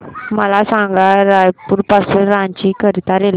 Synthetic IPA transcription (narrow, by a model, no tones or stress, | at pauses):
mɐlaːsaːŋɡaɾaːpuɾpasɯɾaːɲt͡ʃikɐɾit̪aɾel